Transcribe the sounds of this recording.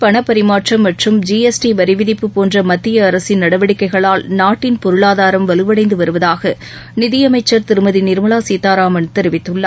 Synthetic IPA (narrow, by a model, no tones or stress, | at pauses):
pɐɳɐpːɐɾɪmaːʈrɐmːɐʈrɯmd͡ʒiːɛsʈiʋɐɾɪʋɪðɪpːɯpoːndrɐmɐt̪ːɪjɐːɾɐsɪnnɐɽɐʋɐɽɪkːɐɪɣɐɭaːlnaːʈːɪnpɔɾɯɭaːðaːɾɐmʋɐlɯʋɐɽɐɪnd̪ɯʋɐɾɯʋɐðaːɣɐ | nɪðɪjɐmɐɪt͡ʃːɐɾt̪ɪɾɯmɐðinɪɾɯmɐɭaːsiːt̪ːaːɾaːmɐnt̪ɛɾɪʋɪt̪ːɯɭːɐ